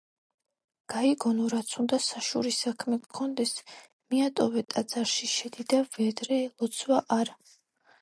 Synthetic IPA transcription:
ɡ̥aiɡɔnuɾat̪sʰund̪asaʃṵɾisakʰmɛkʰɔnd̪ɛs | miat̪ʼɔvɛt̪ʼat̪z̥ʼaɾʃiʃɛd̪id̪avɛd̪ɾɛlˠɔt̪sʰwaʔaɾa

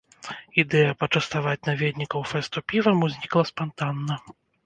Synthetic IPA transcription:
id̪ɛjɐpɐt͡ʂɐst̪avat͡sʲnavʲed̪ʲnʲikɐwfɛst̪upʲivɐmuzʲnʲiklˠɐspant̪anːɐ

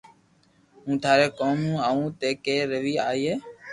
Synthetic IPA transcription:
ɦũːt̪ʰaːɾeːkoːmũːaːũːt̪eːkeːɾəʋiːaːiːeː

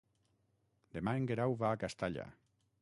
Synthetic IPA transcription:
d̪emaeŋɡeɾawβaːkast̪aʎa̰

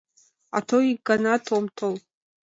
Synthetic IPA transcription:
a̰tʰoiɡanatʰomtʰol

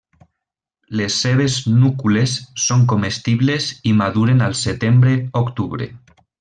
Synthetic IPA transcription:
lesːeβ̞eznukulesːoŋkomest̪iβlezimaðuɾenalˠset̪embɾeokt̪uβ̞ɾḛ

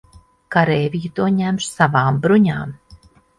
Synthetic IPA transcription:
kaɾeːvʲijut̪uɔɲæmʃsavaːmbɾuɲaːm

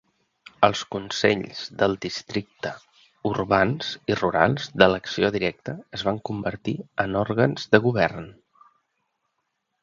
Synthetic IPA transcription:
əlˠskunsɛ̰ʎz̥ðəlˠd̪ist̪ɾik̚t̪ə | urβanz̥iruɾa̰lˠzðələksioðiɾɛk̚t̪əːzβaŋkumbəɾt̪iənɔɾɣənzðəɣuβɛrn

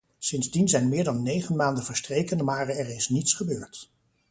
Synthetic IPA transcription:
sɪnzdinzɛjnmɪːɹdɑnːejχənmaːndənvəɹstrejkənmaːɹɛɹɪsnitsχəbøːɹt

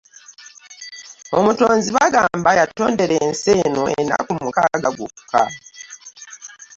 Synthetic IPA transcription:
o̞muto̞ːnziβaɡaːmbajatːo̞ːnde̞ɾenseno̞ʔeḛnːa̰kumukaːɡaɡwoku̥ka̰

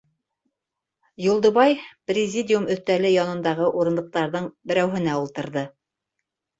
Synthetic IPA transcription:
julˠd̪ŏβɑjprʲɪzʲidʲɪjumɵ̆θt̪ælɘjɑnɤ̆nd̪ɑʁɤʔuɾɤ̆nd̪ɤ̆q̚t̪ɑɾðɤɴbɘ̆ɾæwɦɘ̆næulˠt̪ɤ̆ɾðɤ

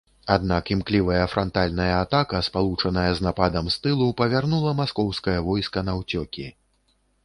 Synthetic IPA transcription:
ad̪nakimklʲivɐjɐfɾʔant̪alʲnɐjɐat̪akɐspalˠut͡ʂɐnɐjɐznapad̪ɐmst̪ɨlˠupɐvʲarnulˠɐmaskɔwskɐjɐvɔjskɐnɐwt͡sʲɔkʲi

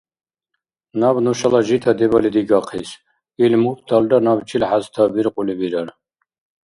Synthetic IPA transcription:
nabnuʃalaʒit̪ʰad̪ɛbalid̪iɡaqʰis | ilmupʰd̪ʰaldanabt͡ʃʰilħazt̪ʰabiɾqʼulibiɾaɾ

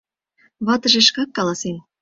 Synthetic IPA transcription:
βɑt̪ə̆ʒeʃkɑkːɑlˠɑsen

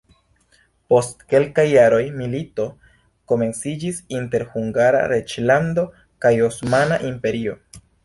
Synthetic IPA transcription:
po̞stke̞lkajːaɾo̞jmilito̞ | ko̞me̞nt͡sid͡ʒisinte̞ɾhuŋɡaɾa̰ɾet͡ʃlando̞ | kajosmanaʔimpe̞ɾio̞

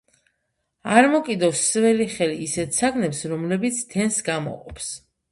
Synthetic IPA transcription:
aɾmɔkʼid̪ɔsvɛliχɛliːsɛt̪ʰsaɡnɛpsɾɔmlɛbit̪sʰt̪ʰɛnsɡamɔ̰qʼɔpʰs

